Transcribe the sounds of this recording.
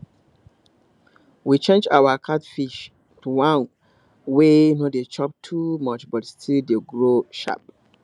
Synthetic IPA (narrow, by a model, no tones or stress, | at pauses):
wit͡ʃʰẽnd͡ʒa̰wakʰatfiʃ | tʰuwãn | wenõdet͡ʃʰɔp̚tʰumɔt͡ʃbɔtstʰildeɡɹoʃa̰p